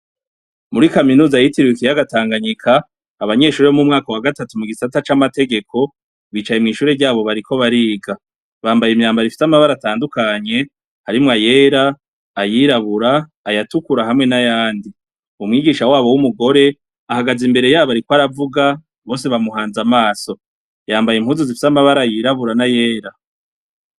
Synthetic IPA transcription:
muɾikaminuːzajitiɾwikijaɡataːŋɡaɲikʰaː | βaɲe̞ʃuːɾiβomumŋaːkawaɡatatumuɡisatat͡ʃamate̞ɡe̞ko̞ | βiːt͡ʃaje̞mŋiːʃuːɾeɾɟaːβo̞βaɾikʰo̞βaɾiːɡa | βaːmbajimɲaːmbaɾifi̥samaβaɾataːndukaɲe̞ | haɾimŋaje̞ːɾaː | jiɾaβuɾaː | jatukuɾaɦamŋe̞najaːndi | umŋiːɡiːʃawaːβo̞wumuɡo̞ɾe̞ | ahaɡazimbe̞ɾe̞jaːβaɾikwaɾavuɡa | βo̞ːse̞βamuɦaːnzamaːso̞ | jaːmbajem̥huːnzuzifi̥samaβaɾajiːɾaβuɾanaje̞ːɾa

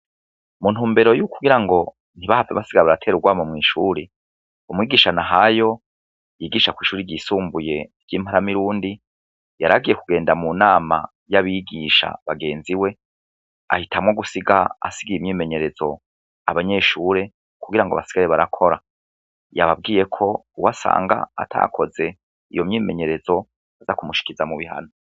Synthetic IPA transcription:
mun̥uːmbe̞ɾo̞juːkuɡiɾaŋɡo̞ | n̥iβahavaβasiɡaɾeβaɾatʰe̞ːɾuɡwaːmomŋiːʃuːɾi | umŋiːɡiːʃanaɦajo̞ | jiːɡiːʃakwiːʃuːɾiɾɟiːsuːmbuje̞ɾɟiːm̥aɾamiɾuːndi | jaɾaɡije̞kuɡe̞ːndamunaːma̰ | jaβiɡiːʃa̰βaɡe̞ːnziwe̞ | a̰hitʰamŋo̞ɡusiɡaa̰siɡiimɲiːme̞ɲe̞ɾe̞zo̞ | a̰βaɲe̞ːʃuːɾe̞ | kuɡiɾaŋɡoa̰βasi̥ɡaɾeβaɾakʰo̞ɾa | jaβab̚ɡiːje̞kʰo̞uwasa̰ːŋɡa̰a̰tʰa̰kʰo̞ze̞ | ijo̞mɲiːme̞ɲe̞ɾe̞zo̞ | azakumuʃi̥kiɾizamuβiha̰no

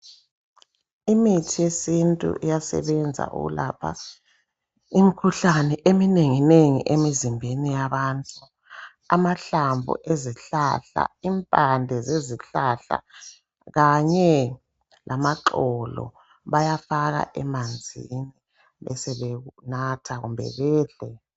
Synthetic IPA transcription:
imitʰijesintʼṵʔijasɛ̰βɛnd͡zʱa̰ʔṵɣṵlapʰa̰ | imikʰuɬanɛʔemineŋineŋḭʔemizimbʱenijaβaːntʼu | a̰maɬambʱṵʔeziɬaɬa̰impʼandʱɛzeziɬaɬa̰ | ɣaɲɛ | lʔamaǁɔlɔ̰ | βajafaɣa̰ʔɛmand͡zʱḭni | βɛsɛβeɣunatʰaɣumbʱɛ̰βɛːɮɛ

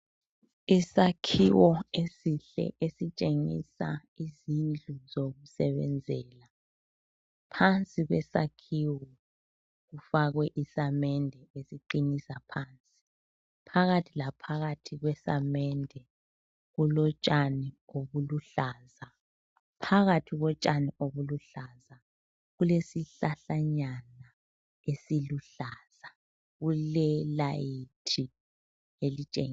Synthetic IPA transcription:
isakʰiwɔesiɬɛ̰ʔesit͡ʃʼeŋḭsa̰izind͡ɮʱuzoɣusɛβɛ̰nd͡zʱɛːla | pʰant͡sʼiɣwɛsakʰiwɔ | ɣufaɣwɛʔisamɛndʱɛesiǃinisapʰaːnt͡sʼi̥ | pʰaɣatʰilapʰaɣatʰiɣwɛsamɛndʱɛ | ɣulɔt͡ʃʼanioβuluɬaːza | pʰaɣatʰiɣɔt͡ʃʼaniʔoβuluɬaza | ɣulesiɬaɬaɲana | esiluɬaːz̥a | ɣulɛlajitʰi | elit͡ʃʼḛŋ

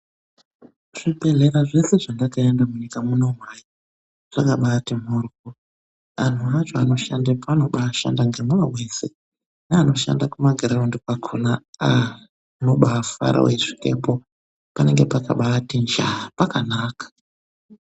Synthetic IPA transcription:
ʐ̥ibʱe̞ɮe̞ɾaʐe̞se̞ʐandakaendamuɲikamuno̞mwaji | ʐ̥akaɓaːtim̤orko | an̤uaʐoano̞ʃandepano̞ɓaːʃa̰ndaŋɡemuawese | neano̞ʃa̰ndakumaɡʱeɾaondikwakʰonaa | no̞ɓaːfa̰ɾa̰weʐi̥ke̞̰po | pane̞ŋɡepaka̰ɓatind͡ʒapakanaːkḁ

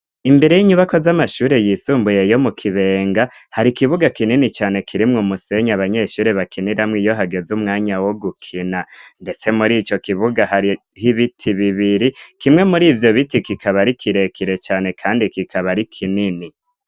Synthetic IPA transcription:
imbe̞ɾe̞jiɲuβako̞zamaʃuːɾe̞jisuːmbuje̞jo̞mukʰiβe̞ːŋɡahaɾikiβuɡakininit͡ʃaːne̞kʰiɾimŋumuse̞ɲaβaɲe̞ʃuːɾeβakʰiniɾamŋijo̞ɦaɡe̞zuːmŋaːɲawo̞ɡukʰinande̞t͡se̞muɾiːt͡ʃo̞kiβuɡaha | hiβitʰiβiβiɾikimŋe̞muɾiːvjo̞βitikikʰaβaɾikʰiɾe̞kʰiɾe̞t͡ʃaːne̞kʰaːndikikʰaβaɾikʰinini

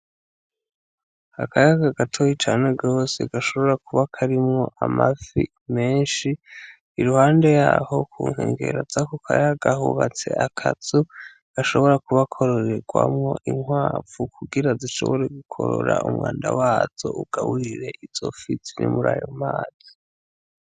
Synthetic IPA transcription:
akʰajaɡaɡatʰojit͡ʃaːne̞ɡo̞ːse̞ɡaʃo̞βo̞ɾakuβakʰaɾimŋo̞ʔamafi | me̞ːnʃiː | ɾuhaːnde̞jaːho̞kʰuːŋ̥hḛːŋɡe̞ɾazakukʰajaɡahuβat͡se̞̰ʔakʰat͡su | ɡ̥aʃo̞βo̞ɾakuβakʰo̞ɾoɾe̞ɡwamŋo̞ʔiŋwaːvukʰuɡiɾaziʃo̞̰βo̞ɾe̞ɡukʰo̞̰ɾo̰ɾa̰umwaːndawaːz̥o̞ʔuɡ̥aβuɾiɾe̞ʔiz̥ofisinḭmuɾaːjomaːzi

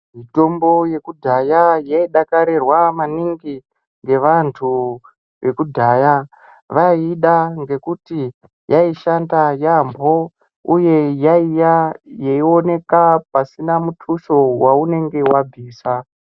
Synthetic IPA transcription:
mito̞mbo̞je̞kudʱajajaiɗakaɾerwamaniŋɡi | ŋɡe̞ʋantʰu | ʋe̞kudʱaːja | ʋaiɗaŋɡe̞kuti | jaiʃandajambo̞ | uje̞jaijajeio̞ne̞kapasinamutʰuʃo̞waune̞ŋɡe̞wabʱiːsa

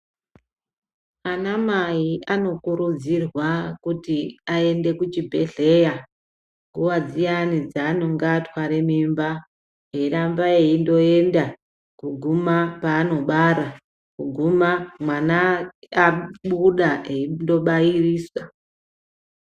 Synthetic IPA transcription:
anamajiʔano̞kuɾud͡zirwakutiae̞nde̞kut͡ʃibʱe̞ɮe̞ja | ŋɡuwad͡zijanid͡zaːno̞ŋɡatwaɾemimba | ɦe̞rambaeindo̞e̞nda | kuɡʱumapaːno̞ɓaɾa | kuɡʱumamwanaː | ɓuɗaeindo̞ɓajiriːswa

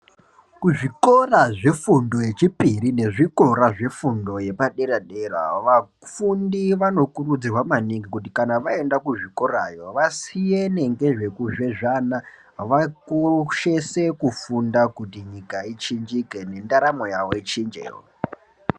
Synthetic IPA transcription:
kuʐiko̞raʐe̞fundo̞je̞t͡ʃipirine̞ʐiko̞ɾaʐe̞fundo̞je̞paɗe̞ɾaɗera̰ʋa | fundiʋano̞kurud͡zirwamaniŋɡikut̬ikanaʋae̞ndakuʐiko̞rajo̞ʋasijene̞ŋɡe̞ʐe̞kuʐe̞ʐana | ʋakoʃe̞se̞kufundakutiɲikait͡ʃind͡ʒike̞ne̞ndaɾamo̞jaʋo̞it͡ʃind͡ʒḛjo̰

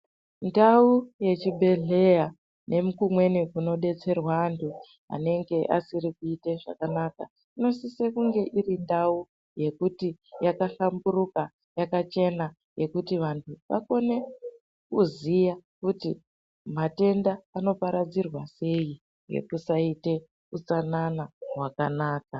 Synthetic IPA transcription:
ndauje̞t͡ʃibʱe̞ɮe̞ja | nʔe̞mukumwe̞nikuno̞ɗe̞t͡se̞rwaːntʰu | ɦa̰ne̞ŋɡe̞ʔa̰sirikuite̞ʐa̰kanaka | ino̞sisekuŋɡe̞ʔirindau | je̞kutijakaɬamburuka | jakat͡ʃe̞na | je̞kutiʋantʰuʋa̰ko̞ne̞ | kuzijakuti | mate̞ndaːno̞paɾad͡zirwase̞ji | ŋɡḛkusaite̞ | ut͡sananaɦwakanaːka

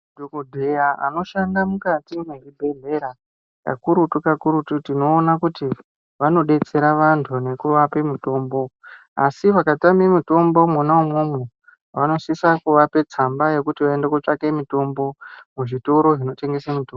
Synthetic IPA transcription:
dʱokudʱejaa̰no̞ʃandamukatimeribʱe̞ɮe̞ɾa | ka̰kuɾutukakuɾututino̞ːnakuti | ʋano̞ɗe̞t͡se̞ɾaʋantʰune̞kuʋape̞mito̞ːmbo̞ | asiʋakatamemito̞mbo̞mwanaumwomwe | ʋano̞sisakuʋape̞t͡sambaje̞kutiʋae̞ndekot͡ʂakemito̞mbo̞muʐito̞ɾo̞ʐino̞te̞ŋɡe̞semitombo

